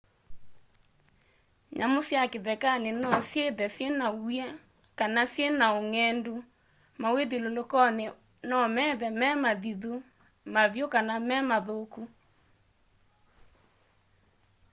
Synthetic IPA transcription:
ɲʔa̰mosjakeðɛkanenɔsjeðɛsjenajɛ | kanasjenaoŋɛndu | maweðilolokɔne | nɔmɛðɛmɛmaðiðu | maβjokanamɛmaðoku

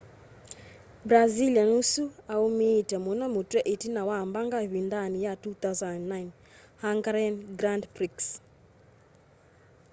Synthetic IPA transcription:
bɾazilanusuaumetamonamotwɛʔetinawambaŋɡawindanijatut̪awzananːajn | haŋɡaɾɛnɡɾandpɾiks

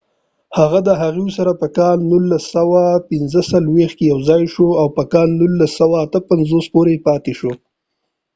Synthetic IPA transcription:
haɣad̪əɦaɣiwsaɾapəkɑlnulːasawapɪnzəsalwext̪kejawzɑjʃoawpəkɑlnulːasːawaːt̪əpanzospoɾepɑt̪eʃo

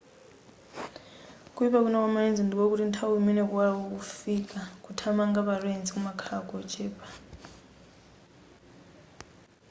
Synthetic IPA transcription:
kʼuipak̬unakwamaend͡zindik̬ok̬utintʰawuminɛk̬ʼuwawok̬ufikʼakʼutʰamaŋɡaβaɺɛint͡sikumakʰakʼɔt͡ʃʼɛːpʼḁ

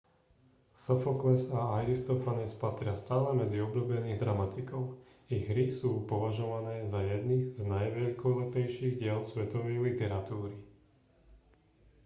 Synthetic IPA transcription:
sɔfɔklɛsaajɾist̪ɔfanɛspat̪ɾɪast̪aːlɛmɛd͡ziɔblubɛniːɣd̪ɾamat̪ikɔʊ | iɣɦɾisuːpɔʋaʒɔʋanɛːzajɛd̪niznajʋɛʎkɔlɛpɛjʃiːɣɟɪɛlsʋɛt̪ɔʋɛjlit̪ɛɾat̪uːɾi

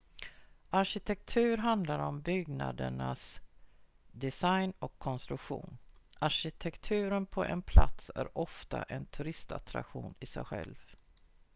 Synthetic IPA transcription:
aɾɕɪt̪ʰɛk̚t̪ʰʉ̟ːɾɦand̪laɾɔmbʏɡna̰d̪əɳas | d̪ɛsajnɔkʰːɔnst̪ɾɵkɧṵːnaɾɕɪt̪ʰɛkt̪ʰʉ̟ːɾənpʰɔʔɛnpʰla̰t̪sæ̰ɾɔft̪a̰ʔɛnt̪ʰɵɾɪst̪a̰t̪ɾa̰kɧuːnɪsɛ̰jɧɛ̰lv

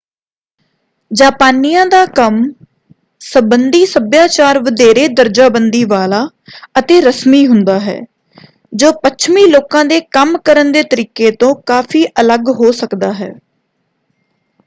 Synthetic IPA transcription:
d͡ʒaːpaːniːãːd̪aːkəm | səbənd̪iːsəbjaːt͡ʃaːɾʋəd̪eːɾeːd̪əɾd͡ʒaːbənd̪iːʋaːlaː | ət̪eːɾəsmiːɦʊnd̪aːɦɛ̰ː | d͡ʒoːpət͡ʃʰmiːloːkãːd̪eːkəmkəɾənd̪eːt̪əɾiːkeːt̪õːkaːfʰiːʔələɡɦoːsəkd̪aːɦɛ̰ː

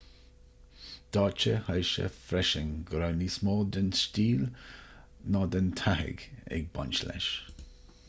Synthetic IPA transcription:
d̪̥ɑːt͡ʃəhəjʃə̰fɾɛʃɪŋɡəɾownismɔːld̪ənstiːl | nɑd̪ənt̪ʰahɪ̰ɡɛ̰ɡ̚ba̰nt͡ʃlɛ̰ʃ

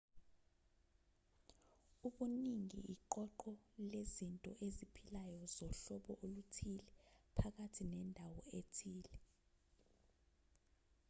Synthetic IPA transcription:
uɓuniŋḭʔiǃɔǃɔlezintʼɔʔezipʰilajɔzɔɬɔɓɔʔolutʰilɛpʰak̬atʰinɛndʱawɔetʰiːlɛ

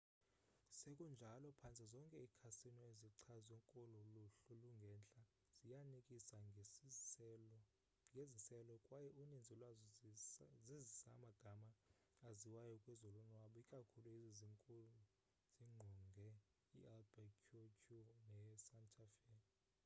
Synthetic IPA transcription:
sekʼund͡ʒʱalɔpʰant͡sʼizɔŋkʼɛikʰasinɔeziǀʰazɛŋkʼɔlɔluɬuluŋɡʱɛnt͡ɬʼa | z̥ijanikʼisa | ŋɡʱezisɛlɔkʼwajɛunind͡zʱilwaz | zizisa̰maɡ̥ʱamaː | ziwajɔkʼwɛzɔlunwaɓɔikʼakʰuluiziziŋkʼulu | z̥iŋ͡ǃʱuŋɡʱɛ | ḭɛlbɛkʰukʰunɛsantʰʼafɛ

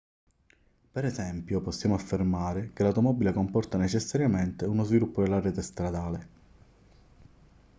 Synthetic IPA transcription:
peɾɛzɛmpjopɔsːjaːmoafːermaːɾekelawt̪omɔbilekompɔrt̪anet͡ʃesːaɾjament̪eunozvilupːod̪elːarɛːt̪est̪ɾad̪aːle

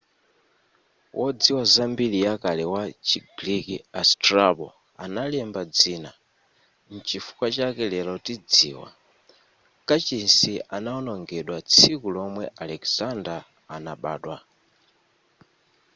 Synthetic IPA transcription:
wʔɔd͡ziwazambilijakalɛwat͡ʃiɡlikiastrabɔ̰ | a̰nalɛmbad͡ziːna | n̩t͡ʃifu̥kwat͡ʃakɛlɛlautid͡zḭːwa̰ | kat͡ʃinsianaɔnɔŋɡɛɗwat͡sʰikulɔmwɛʔalɛkz̥andaː | naɓa̰ːɗwa

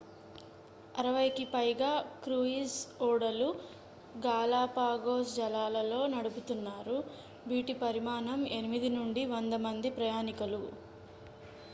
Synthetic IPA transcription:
ɐɾɐʋɐjkipɐjɡaːkɾuisuːɽɐlu | ɡaːlaːpaːɡoːsd͡ʒɐlaːlɐlo̞ːnɐɽuput̪unːaːɾu | bʱiːʈipɐɾimaːnɐmenimid̪inuɳɖiʋɐnd̪ɐmɐnd̪ipɾɐjaːnikɐlu

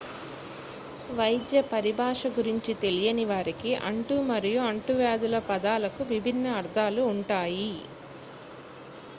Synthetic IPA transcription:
ʋɐjd̪jɐpɐɾibʱaːʂɐɡuɾiɲt͡ʃit̪e̞lijɐniʋaːɾikiʔɐ̰ɳʈumɐɾijuɐɳʈuʋaːd̪ulɐpɐd̪aːlɐkuʋibʱinːɐːɾd̪ʱaːluːɳʈaːji

